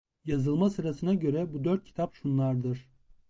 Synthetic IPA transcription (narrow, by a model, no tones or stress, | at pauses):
jazɯlˠmasɯɾasɯnaɟø̞ɾɛbud̪øɾt̪̚cʰi̥t̪ʰapʃunlˠaɾd̪ɯɾ̥